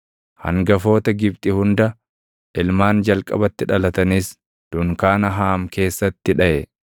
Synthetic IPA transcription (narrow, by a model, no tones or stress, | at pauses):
hɐ̰ŋɡɐfo̞ːt̪ɐɡɪb̚t̪ʼɪhʊnd̪ɐ | ʔɪlmaːnd͡ʒɐlkʼɐ̰bɐt̪ːɪᶑɐlɐt̪ɐniːs | d̪̥ʊŋkaːnɐɦaːmke̞ːsːɐt̪ːɪᶑɐʔɛ